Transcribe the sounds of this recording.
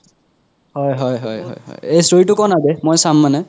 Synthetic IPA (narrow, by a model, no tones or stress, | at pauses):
hɔjɦɔjɦɔjɦɔ̰jhɔ̰jejsɹoitʊkɔnademɔjsamːanɛ